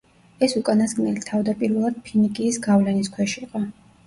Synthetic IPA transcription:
ɛsukʼanasɡnɛlit̪ʰavd̪apʼiɾvɛlˠad̪̥̚pʰinikʼiːsɡavlɛnis̬kʰwɛʃiːqʼɔ

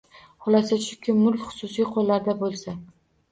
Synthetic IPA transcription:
hʊlasaʃʊkʲʰɪmːʊlfχʊ̥sʊsijqʰolːaɾd̪abolˠsa

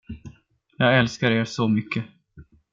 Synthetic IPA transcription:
jɑːɡɛlskaɾeːɾsɔmʏkʰːə

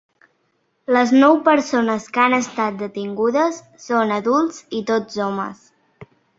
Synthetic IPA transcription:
ləznɔwpəɾsonəskanəst̪at̪̚d̪ət̪iŋɡuðəsːonəðulˠzit̪od͡zɔmə̰s

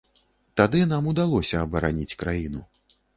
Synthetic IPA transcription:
t̪ad̪ɨnamud̪alˠɔsʲɐːbɐɾanʲit͡sʲkɾajinu

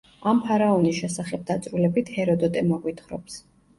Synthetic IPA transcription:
ampʰaɾaɔnisʃɛsaχɛb̚d̪at̪sʼɾulɛbit̪ʰhɛɾɔd̪ɔt̪ʼɛmɔɡwit̪ʰχɾɔps

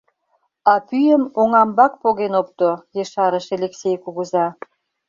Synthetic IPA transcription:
ɑpyjəmoŋɑmbɑk̚poɣenop̚t̪ojeʃɑɾə̆ʃeleksʲejkuɣuzɑ

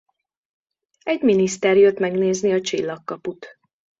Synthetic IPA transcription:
ɛɟminist̪ɛrjøt̪mɛɡneːzniɒt͡ʃilːɒkːɒput̪

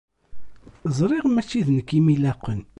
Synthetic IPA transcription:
zˤɾˤiʁmæt͡ʃːiðnəkːimilæqːən

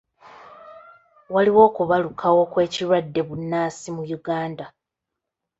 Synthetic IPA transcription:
waliwo̞ːkuβalukʰawo̞kwe̞ːciɾwadːe̞βunːaːsimujuɡaːnda

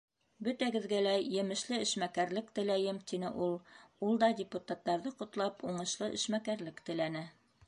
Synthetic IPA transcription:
bɵ̆t̪æɡɘ̆ðɡælæjɘ̆mɘ̆ʃlɘɘ̆ʃmækæɾlɘkt̪ɘ̆læjɘmt̪inɘ̰ʔulˠulˠd̪ɑdʲɪput̪at̪ːɑɾðɤqŏt̪lˠɑpuɴɤ̆ʃlˠɤʔɘ̆ʃmækæɾlɘkt̪ɘ̆lænɘ

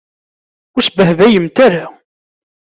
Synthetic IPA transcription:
ʊɾsbəhvæjəmt̪aɾa

